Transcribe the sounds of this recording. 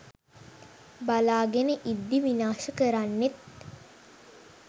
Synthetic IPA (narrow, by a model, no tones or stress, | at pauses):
balaːɡenəʔid̪ːiʋinaːʃəkəɾanːet̪̚